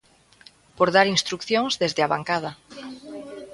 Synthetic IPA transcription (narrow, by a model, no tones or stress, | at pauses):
poɾðaɾinst̪ɾukθjoŋzðezðeaβa̰ŋkað̞a